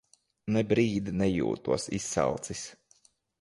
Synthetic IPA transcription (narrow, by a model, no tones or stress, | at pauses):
nɛbɾiːd̪nɛjṵːt̪uɔsisːɑ̰lˠt̪sis